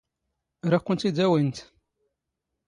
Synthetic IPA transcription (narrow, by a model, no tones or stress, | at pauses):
ɾakʷːənt̪id̪æwint̪